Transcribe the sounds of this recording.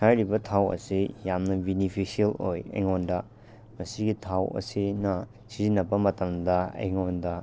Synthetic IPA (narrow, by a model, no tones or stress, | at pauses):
sʰajɾibɐtʰawɐ̰sijamnɐbinipʰisielojɐ̰jŋondɐ | mɐsiɡitʰawɐ̰sinɐ | sizinːɐpːɐmɐtɐmdɐḛjŋondɐ